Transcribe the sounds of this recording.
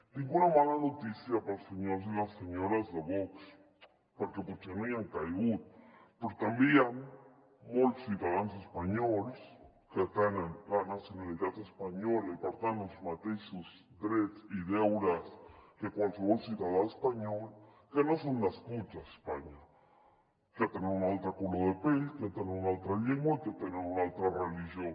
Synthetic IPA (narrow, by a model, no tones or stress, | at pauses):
nĩŋɡunamananot̪isjapaɾaseɲoɾs̬elaseɲoɾazðeβoks | poɾkepoɾkenoeaŋkajɣut̪peɾot̪ambian | molsuðaðanos̬espaɲols | ket̪anlanasjonaliðat̪espaɲolipaɾt̪anosmat̪esus | d̪ɾetiðewɾaskekʷalseolsiðaðaespaɲol | kenosonlaskut͡ʃase̥spaɲa | keat̪eneɾunalt̪akuloðepelkat̪eneunalt̪ɾaʎeŋmoikeat̪eneunalt̪ɾarelixjo